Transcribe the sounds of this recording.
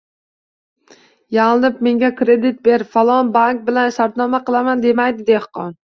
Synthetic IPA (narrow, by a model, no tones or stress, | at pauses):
jaʁnɪp̚me̞ŋɡʲakʰɾe̞d̪ɪt̪̚be̞ɾfalˠɒnbaŋk̚bɪlanʃaɾt̪nɒmaqɨlˠamand̪e̞majd̪ɪd̪ehqɒn